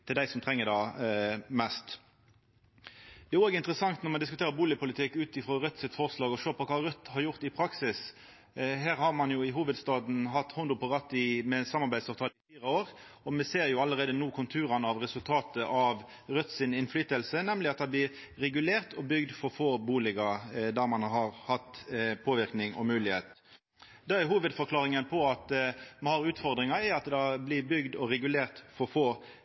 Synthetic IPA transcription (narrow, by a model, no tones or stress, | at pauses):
t̪ʰɪld̪æɪsɔmt̪ʰʁɛŋːəd̪ɑ | mɛst̪ | d̪ɛɛoːɡəɪnt̪əʁəsɑŋt̪nɔʁmɑnd̪ɪskʉt̪ʰeːʁəɾbuːlɪpʊlɪt̪ʰɪkːʉːt̪ɪfɾɔːʁœt̪ːsɪt̪fɔʁslɑːɡɔʃøːʁpɔkʰɑːɾœt̪ːhɑɾjʊʁt̪ɪpʰɾɑksɪs | ɦæːʁhɑʁmɑnjʊɪɦuːʋəd̪st̪ɑːd̪n̩ɦɑt̪ːhʊnd̪ʊpʰɔʁɑt̪ːɪmɛsɑmɑʁbæɪd̪sɑʋt̪ʰɑːlɪfiːʁəoːʁɔmɛseːʁjʊɑləɾeːd̪ənuːkʰʊnt̪ʰʉːɾɑnəɑʋʁɛsʉlt̪ʰɑːt̪əʔɑʋ | ɾœt̪sɪnɪnflyːt̪əlsənɛmlɪɑt̪̚d̪ɛblɪɾɾɛɡʉleːʁt̪ɔbʏɡd̪fɔɾfoːbuːlɪɡɑd̪æʁmɑnɦɑɾhɑt̪pʰoːʋɪɾknɪŋɔ̰mʉːlɪheːt̪ | d̪ɑæɦuːʋəd̪fɔɾkʰlɑːʁɪŋənpʰɔɑt̪mɛhɑʁʉːt̪fɔʁd̪ɾɪŋɑæɑt̪d̪ɑblɪbʏɡd̪ɔɾɛɡʉleːʁt̪fɔɾfoː